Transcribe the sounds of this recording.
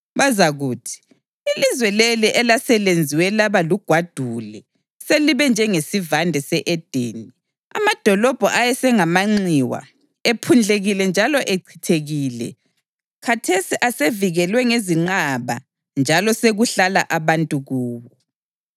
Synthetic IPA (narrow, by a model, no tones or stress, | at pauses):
βazaɣuːtʰi̥ | ilizwɛleliʔɛlasɛlend͡zʱiwɛlaβaluɡ̥ʱwad̥ʱulɛ | seliβɛnd͡ʒʱɛŋesivandʱɛsɛʔɛd̥ʱeːni | a̰mad̥ʱɔlɔb̥ʱɔʔajɛsɛŋamaŋ͡ǀiwa̰ | epʰund͡ɮʱeɣilɛnd͡ʒʱalɔʔeǀʰi̥tʰeɣiːlɛ̰ | kʰatʰesiʔaseviɣɛlwɛŋeziŋ͡ǃaβa̰ | nd͡ʒʱalɔseɣuɬala̰ʔaβantʼuɣuːβɔ